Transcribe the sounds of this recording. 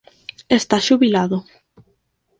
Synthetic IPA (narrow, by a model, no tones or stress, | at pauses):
est̪aʃuβilaðʊ